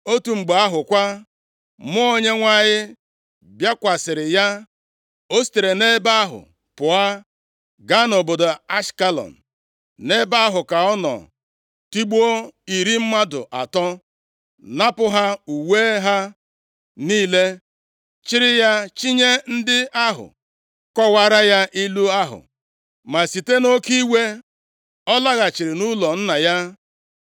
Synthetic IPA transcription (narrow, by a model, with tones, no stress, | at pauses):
o˦tu˨ŋ͡m̩˨ɡ͡ba˦ɦʊ˨kʷa˦ | mʊ˦o˦ɲe˦ŋʷa˦˨ɲɪ˦ | bja˦kʷa˨sɪ˨ɾɪ˨ja˦ | o˦si̥˨te˨ɾe˨ne˦ba˦a˦ɦʊ̰˨ | pʊ˨a˦ | ɡa˦nʊ˨bo˨do˨a˦ʃka˦lɔ̰˨n̩˨ | ne˦ba˦a˦ɦʊ˨ka˨ɔ˦nɔ̰˨ | ti˦ɡ͡bo˦i˨ɾi˦m̩˦ma˦dʊ̰˨ʔa̰˨tɔ˦ | na˦pʊ˦ɦa˦u˨we˦ɦa˦ | niː˦le˦ | t͡ʃɪ˦ɾɪ˦ja˦t͡ʃi˦ɲe˦n̩˦dɪ˦a˦ɦʊ̰˨ | kɔ˦wa˨ɾa˦ja˦ʔi˦lu˦a˦ɦʊ̰˨ | ma˨si˨te˦no˦ki˦we˦ | ɔ˦la˦ɣa˨t͡ʃi˨ɾɪ˨nu˦lɔ˨n̩˦na˨ja˦